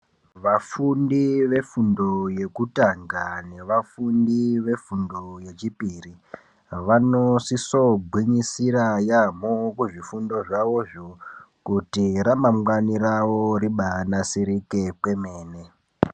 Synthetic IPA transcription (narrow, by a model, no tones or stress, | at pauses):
ʋafundiʋe̞fundo̞je̞kutaŋɡane̞ʋafundiʋe̞fundoje̞t͡ʃipiːri | ʋanosisobʱwiɲisiɾajamokuʐifundo̞ʐaʋo̞ʐo | kutiɾamamwaniraʋoɾiɓanasiɾike̞pwe̞me̞ːne